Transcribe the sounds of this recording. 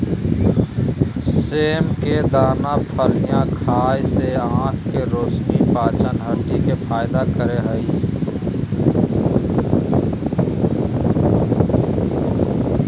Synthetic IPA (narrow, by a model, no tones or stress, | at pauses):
seːmked̪aːnapʰəɾijãkʰaːjseãːʈʰkeɾoːsnipaːt͡ʃənɦəʈikepʰaːɪd̪akəɾeɦəi